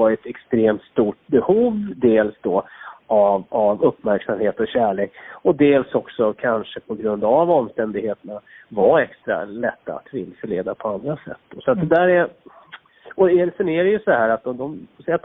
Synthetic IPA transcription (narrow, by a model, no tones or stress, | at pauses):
ɑɾɛt̪ɛkst̪ɾeːmt̪st̪uːʈ̚bɛhuːvd̪eːlsd̪ɔavavɵpːmæɾksamheːt̪ɔɕæːɭeːkɔd̪eːlsɔksɔkʰanʂəpʰɔɡɾɵnd̪avɔmːst̪ɛnd̪ɪɡheːt̪ənavaɛkst̪ɾa̰lɛt̪ːa̰a̰t̪vɪlsəleːd̪apʰɔand̪ɾasɛ̰t̪ːd̪ɔsɔat̪̚d̪ɛd̪æːɾɛɾ | ɔɛsɛnæɾɛjɵsɔhæːɾat̪̚d̪ɔd̪ɔmɔsɛat̪